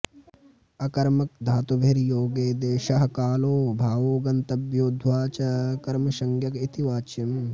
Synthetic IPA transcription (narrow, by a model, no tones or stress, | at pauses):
ɐkɐɾmɐk̚d̪ʱaːt̪ubʱeɾjoːɡeːd̪eːʃɐɦɐkaːloːbʱaːʋoːɡɐnt̪ɐbjoːd̪ʱwaːt͡ʃɐkɐɾmɐʃɐŋɡjɐkit̪iʋaːt͡ʃɐm